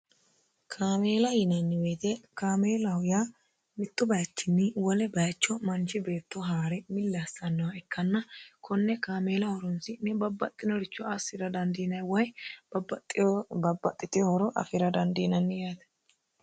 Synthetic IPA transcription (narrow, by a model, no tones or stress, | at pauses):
kʰaːme̞ːlɐjɪnɐnːɪweːt̪ɛkaːmeːlɐhʊja | mɪt̪ːɔbɐjɐt͡ʃːɪnːɪwɔlɛbɐjt͡ʃːɔmɐnt͡ʃɪbe̞ːt̪ːɔɦaːɾɛmɪlːɐsːɐnːɐwɐɛkːɐnːɐkʰɔnːɛkaːme̞ːlɐhɔɾɔnsɪnɛbɐbːɐt̪ʼːɪnɔɾɪt͡ʃːɔɐsɪɾɐd̪ɐnd̪inɐjwɐjbɐbɐt̪ʼːbɐbɐt̪ʼːɪt̪ɪjɔhɔɾɔʔɐ̰fɪɾɐd̪ɐnd̪iːnɐnːɪjaːt̪ɛ̥